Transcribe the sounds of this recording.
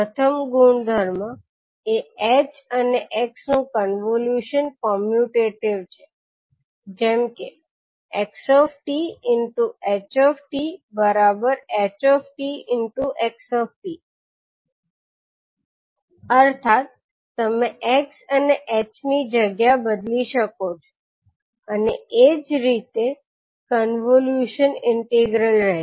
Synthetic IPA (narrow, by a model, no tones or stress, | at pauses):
ət̪ʰəmɡuɳd̪ʱəɾmã | eet͡ʃəneʔeksnũkənʋoljuʃənkɔmjuʈeʈiʋt͡ʃʰe̥ | d͡ʒɛmke | eksɔfʈiɪnʈuet͡ʃɔfʈibəɾabəɾɛt͡ʃɔfʈiɪnʈuʔeksɔfʈi | əɾt̪ʰat̪̚ː | əmeʔeksəneʔet͡ʃnid͡ʒəɡjabəd̪liʃəkot͡ʃʰo̥ | əneed͡ʒɾit̪e | kənʋoljuʃənɪɳʈiɡɾəlɾɛɦ